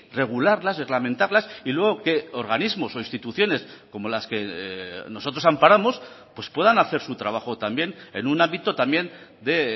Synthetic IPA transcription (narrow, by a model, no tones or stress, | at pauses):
re̞ɣ̞ulaɾlasre̞ɣlamẽ̞nt̪aɾlasilwe̞ɣ̞o̞ke̞o̞ɾɣanizmo̞so̞inst̪it̪uθjo̞ne̞sko̞mo̞laske̞no̞so̞t̪ɾo̞sampaɾamo̞spwe̞spwe̞ðanaθe̞ɾsut̪ɾaβ̞axo̞t̪ambje̞nḛnunãmbit̪o̞t̪amje̞nd̪e̞